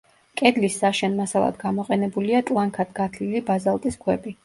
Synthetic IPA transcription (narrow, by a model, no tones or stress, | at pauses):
kʼɛd̪lisːaʃɛnmasalˠa̰d̪ɡamɔqʼɛnɛbuliat̪ʼlˠaŋkʰad̪ɡat̪ʰlilibazalˠt̪ʼiskʰwɛbi